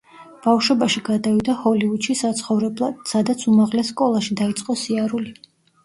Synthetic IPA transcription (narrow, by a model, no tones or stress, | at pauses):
b̥afʃwɛbaʃiɡad̪avid̪ahɔliud̪ʃisat̪sʰχɔvɾɛblˠad̪̥sad̪at̪sʰumaʁlɛsːkʼɔlˠaʃid̪ait̪sʼqʼɔsiaɾuli